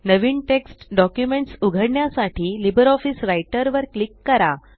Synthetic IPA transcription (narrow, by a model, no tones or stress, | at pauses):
nəʋiːɳʈeksʈɖɔkjumeɳʈsuɡʱəɽɳjasaʈʰiːlibəɾɔfisɾajʈəɾʋəɾklikːəɾa